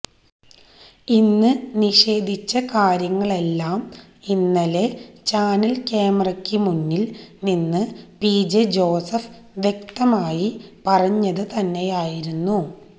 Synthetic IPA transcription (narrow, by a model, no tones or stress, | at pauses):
inːɨniʂe̞ːd̪ʱit͡ɕːɐkaːɾjɐŋːɐɭe̞lːaːm | inːɐle̞t͡ɕaːnɐlkeːmɐrɐkʲːɨmunːilninːɨpiːd͡ʑed͡ʑo̞ːsɐf | ʋjek̚t̪ɐmaːjipɐrɐɲːɐðɨt̪ɐnːe̞jaːjiɾunːu